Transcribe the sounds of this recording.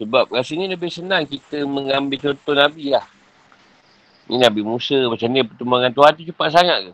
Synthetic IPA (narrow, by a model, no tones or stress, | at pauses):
səbap̚kasəŋĩləbɪhsənaŋkit̪əməŋambɪlt͡ʃɔnt̪ɔnabilah | ŋḭnabimusəmat͡ʃamdiəpərt̪umbaŋant̪uɦat̪it͡ʃupaʔsaŋaʔ̪̚ka